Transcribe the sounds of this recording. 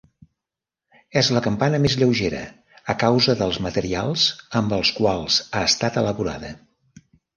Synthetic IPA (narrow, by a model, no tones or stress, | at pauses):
ɛzləkəmpanəmezʎəwʒeɾə̰ | əkawzəðəlˠzmət̪əɾialˠz̥əmbəlˠskwalˠz̥aəst̪at̪ələβuɾa̰ðə